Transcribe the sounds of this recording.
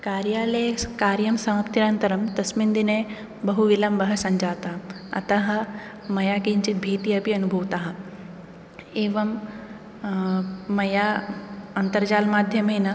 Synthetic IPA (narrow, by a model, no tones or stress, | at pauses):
kaːɾjaːlɐjkaːɾjɐmsɐmɐpt̪iɾaːnt̪ɐɾɐmt̪ɐsmind̪ine | bɐɦuʋilɐmbɐɦɐsɐ̃ɲd͡ʒaːt̪aː | ɐ̰t̪ɐɦɐ̆ | mɐjaːkiɲt͡ʃit̪̚bʱeːt̪iɐpiɐnubʱɐʋt̪aːɦɐ | eːʋɐm | ɐjaːɐnt̪ɐɾd͡ʒaːlmaːd̪ʱjɐmenɐ